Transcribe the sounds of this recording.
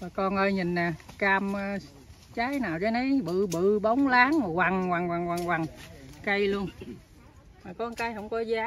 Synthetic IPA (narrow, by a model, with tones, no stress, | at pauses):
vaː˨˩kɔ˧nʔəː˧jɲi˨˩naː˨˩kaː˧mː˧ | t͡ɕaː˨˦jnaː˨˩wze˨˧˦nə˨˦jɓɨ̰˧˨ɓɨ̰˧˨ɓə˨˦wŋ͡mlaː˨˦ŋa˨˩kwa˨˩ŋkwa˨˩ŋkwa˨˩ŋwa˨˩ŋkwa˨˩ŋkə˧jlu˧ən | maː˨˩kɔ˨˦kaː˨˦jhə˧wŋ͡mkɔ˨˦zaː˨˦